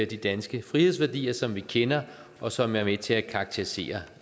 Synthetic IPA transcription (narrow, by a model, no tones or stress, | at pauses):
ɐd̥id̥ænsɡ̥əfʁihe̝ð̞̰ˠsʋæɐd̥ḭːɐsɒ̽mʋikʰenɐ | ʔɒ̽sɒ̽mæɐmet͡sʰe̝lækʰɑɡ̚t͡sʰe̝ʁise̝̰ːɐ